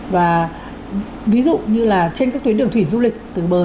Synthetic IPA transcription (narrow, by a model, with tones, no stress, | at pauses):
vaː˨˩ | vi˨˦zṵ˧˨ɲɨ˧laː˨˩t͡ɕe˧nkaː˦˥k̚t̪wnɨ˨˩ət̪ʰi˧˩zu˧lk̟̚t̪ɨ˨˩ɓəː˨˩